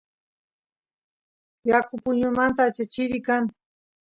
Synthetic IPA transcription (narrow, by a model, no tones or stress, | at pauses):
jakʊpʊɲʊmant̪aːt͡ʃat͡ʃɪɾɪkaŋ